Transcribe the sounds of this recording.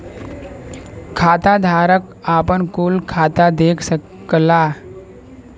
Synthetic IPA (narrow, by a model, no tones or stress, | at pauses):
kʰaːt̪ad̪ʱaːɾək | aːpənkuːlkʰaːt̪ad̪eːkʰsək | la